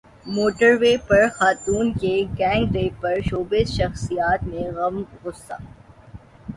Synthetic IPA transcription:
moːʈəɾʋeːpɐɾxaːt̪uːnkeɡɛ̃ːŋɡɾeːpɐɾʃoːbezʃɐxsijaːt̪mẽɣɐmɣʊsːa̰ː

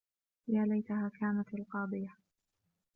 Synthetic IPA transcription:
jaːlajt̪ahaːkʰaːnat̪alqɑːd̪ˤɨja

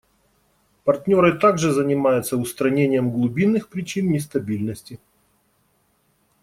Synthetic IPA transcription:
pɐrtʲnʲo̞ɾɨt̪aɡʐɨzənʲɪmajʊt̪səʊst̪ɾɐnʲenʲɪjəmɡlˠʊbʲinːɨxpɾʲɪt͡ɕinnʲɪst̪ɐbʲilʲnəsʲtʲɪ

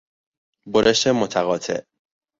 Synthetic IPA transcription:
boɾʔeʃt̪emot̪ʰæɣɒːt̪ʰe̞̰ʔ

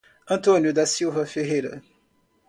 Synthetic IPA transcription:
ɐ̃t̪õnjʊd̪ɐsiwvɐfeɦejɾɐ̰

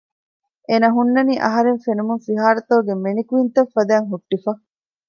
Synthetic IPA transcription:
ʔeːnɐɦunːɐniːʔɐɦɐɾeɱfenumuŋfiɦaːɾɐt̪oːɡemenikuint̪ɐfːɐd̪æːŋɦuʈːifɐ

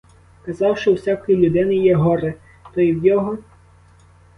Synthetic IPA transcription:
kɐzɑwʃt͡ʃɔwsʲakɔjilʲʊd̪ɪnɪjɛɦɔɾɛ | t̪ɔjiwjɔɦɔ

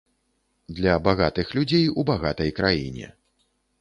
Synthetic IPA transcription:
d̪lʲɐbaɣat̪ɨxlʲud͡zʲejubaɣat̪ɐjkɾajḭnʲɛ̰

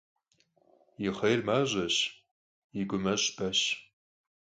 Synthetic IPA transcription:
jiχɐjrmaʑɐɕ | iɡʷʊmɐɕbɐɕ

